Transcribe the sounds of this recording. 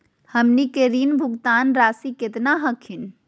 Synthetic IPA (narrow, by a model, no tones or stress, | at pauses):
həmnikeɾiːnbʱuɡt̪aːnɾaːsiket̪naɦəkʰin